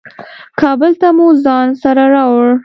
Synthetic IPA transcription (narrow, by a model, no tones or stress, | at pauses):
kɑbəlt̪amuzɑnsaɾaɾɑwɽ